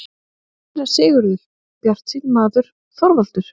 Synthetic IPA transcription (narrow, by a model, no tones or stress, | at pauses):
ɾasɪːɣʏɾɪl | pjar̥t̪sinmaːðʏɾ̥ | θɔɾval̥t̪ʏɾ̥